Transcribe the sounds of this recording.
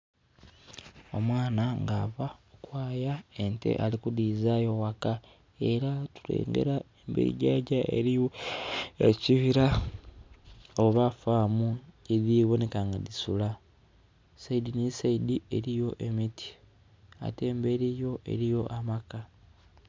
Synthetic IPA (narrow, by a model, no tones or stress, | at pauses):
o̞̰mwaːnaŋɡaβaokwaːjaente̞̰ʔalikudiːzajo̞waka | e̞ɾatulḛːŋɡe̞̰ɾaembeɾḭɟaɟaʔḛɾio | eciβiɾa | oβafaːmueðiːβo̞ne̞kaŋɡadisula | saidinisaidiʔe̞ɾijo̞ʔe̞mitʰi̥ | a̰te̞ːmbe̞ɾijo̞ʔe̞̰ɾijo̞ʔamaka